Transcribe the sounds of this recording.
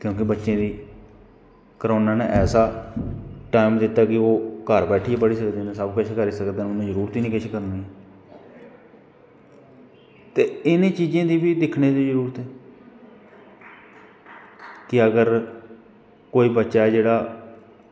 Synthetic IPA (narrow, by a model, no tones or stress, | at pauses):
kjõːkɪbətːʃẽːd̪iː | kəɾoːnaːneʔɛːsaː | ʈaːimd̪ɪt̪ːaːkɪoːkəɾbɛːʈʰiːpəɽiːsəkd̪ẽːnẽsəbkət͡ʃʰkəɾiːsəkd̪eːnʊnãːzəɾuːɾt̪iːnĩːkɪt͡ʃʰːkəɾnaː | t̪eːɪnẽːt͡ʃiːzẽːd̪iːbiːd̪ɪkʰneːt̪eːd͡ʒəɾuːɾt̪ɛː | kɪəɡəɾ | koːiːbətːʃaːɛːd͡ʒeːɽaː